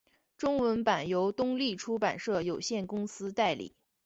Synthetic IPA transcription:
ʈ͡ʂʊ˥ŋwə˧˥npa˨˩njo˧˥ʊt̪ʊ˥ŋli˥˩ʈ͡ʂʰu˥pa˨˩nʂɤ˥˩jo˨˩ʊɕjɛ˥˩nkʊ˥ŋsɹ̩˥t̪a˥˩ɪlḭ˨˩˦

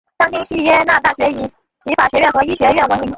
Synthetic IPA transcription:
ɕɑ˥ŋt̪i˥ŋɕy˥˩jɛ˥na˥˧t̪a˥˩ɕɥɛ˧˥i˨˥˩ | t͡ɕʰi˧˥fa˨˩ɕɥɛ˧˥ɥɛ˥˩nxɤ˧˥i˥ɕɥɛ˧˥ɥɛ˥˩nwə˧˥ni˧˥

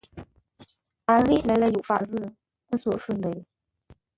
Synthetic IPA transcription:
a˨ɣi˦lɛ˨˦lə˧˨ju˨ʔfa̰˨z̩˦˨ | n̩˦swɔ˨ʂ̩˥˨n˨də˨˦ji˨

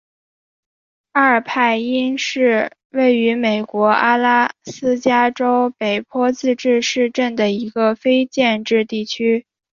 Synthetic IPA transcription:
a˥ə˞˨˩pʰa˥˩ɪi˥nʂɻ̩˥˧ | we˥˩ɪy˧˥me˨˩ɪkwɔ˧˥a˥la˥sɹ̩˥t͡ɕja˥ʈ͡ʂo˥ʊpe˨˩ɪpʰwɔ˥t͡sɹ̩˥˧ʈ͡ʂɻ̩˥˧ʂɻ̩˥˧ʈ͡ʂə˥˩nd̪ə˩i˧˥ɡə˧fe˥ɪt͡ɕjɛ˥˧nʈ͡ʂɻ̩˥˧t̪i˥˩t͡ɕʰy˥

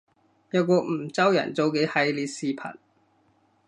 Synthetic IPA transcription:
jɐ˧w̚kɔː˧m̩˨˩t͡sɐ˥wjɐ̰˨˩nt͡so˨˧wke˨˥jhɐ˨˥jliː˧t̚siː˨˧pʰɐ̰˨˩n

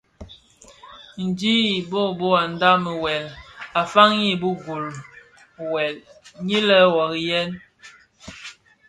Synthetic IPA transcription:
n̩˨di˦˨bo˦˨bo˦a˨n̩˨˦da˦mə˨wɛ˨la˨fa˦ŋji˦˨bu˦ɡu˨l | wɛ˨lɲi˦lə˦wɔ˨ɣi˦jɛ˦n

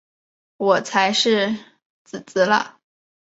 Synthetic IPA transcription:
wɔ˨˩t͡sʰa˧˥ɪʂɻ̩˥˧ | t͡sɹ̩˨˩t͡s̩˧˥lə̰˧

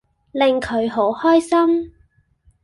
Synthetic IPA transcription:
lɪ˨ŋkʰɵ˨˧ɥɦo˨˥whɔː˥jsɐ˥m

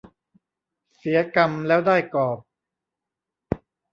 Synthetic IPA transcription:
si˩˦ɐka˧mlɛː˦˥wdaː˥˩jkɔː˨˩p̚

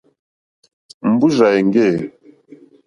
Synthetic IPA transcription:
m̩˨bu˦ʒa˨ɛ˨ŋɡe˦˨

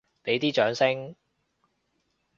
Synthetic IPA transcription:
pe˨˥jt̪iː˥t͡ʃœː˨˥ŋsɪ˥ŋ

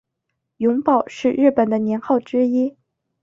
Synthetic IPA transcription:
jʊ˧˥ŋpɑ˨˩ʊʂɻ̩˥˧ɻɻ̩˥˩pə˨˩nd̪ə˦njɛ˧˥nxɑ˥˩ʊʈ͡ʂɻ̩˥i˥

